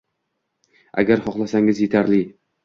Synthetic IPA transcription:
a̰ɡʲaɾχɒqlˠasaŋɪzje̞t̪ʰaɾlɪ

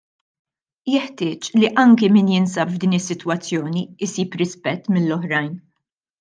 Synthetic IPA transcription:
jɛħt̪ɪːt͡ʃliʔɐŋkimɪːnjɪnsɐpvd̪iːnɪsːɪt̪wɐt͡sːjɔːniɪsiːpɾɪspɛt̪ːmɪlːɔħɾɐjn

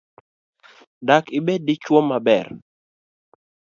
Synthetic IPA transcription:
dakɪbedɪt͡ʃwomːabɛr

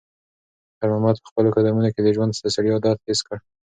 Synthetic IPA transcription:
t̪aɾmɑmɑt̪̚pə̥xpəlokad̪amunoked̪əʒwand̪st̪asaɽjɑd̪ɑt̪heskəɽ

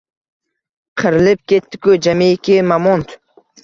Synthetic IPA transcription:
qʰɨɾɪlɪp̚kʲet̪ːɪ̥kʊd͡ʒamekʲɪmamɔnt̪ʰ

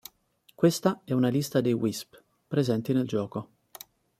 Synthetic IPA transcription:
kwest̪aɛunalist̪ad̪ejwisp | pɾezɛnt̪ineld͡ʒɔːko

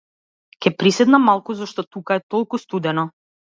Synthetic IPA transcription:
kʲɛpɾisɛd̪namːalˠkuzɔʃt̪ɔt̪ukaɛt̪ɔlˠkust̪ud̪ɛnɔ

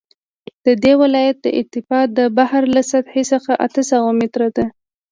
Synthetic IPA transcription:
d̪̥əd̪ewɪlɑjat̪̚d̪ə̰ʔɪ̰t̪ɪfɑd̪əbahɾlasad̪ħesəxaʔat̪əsawamɪt̪ɾad̪a

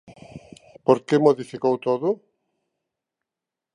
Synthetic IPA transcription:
poɾkemoðifikowt̪oðʊ

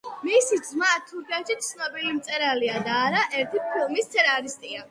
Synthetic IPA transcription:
misid̪zmat̪ʰːuɾkʰɛʃʰit̪̚sʰnɔbilimt̪sʼɛɾaliad̪aːɾaʔɛɾt̪ʰipʰilˠmist̪sʰɛnaɾist̪ʼia

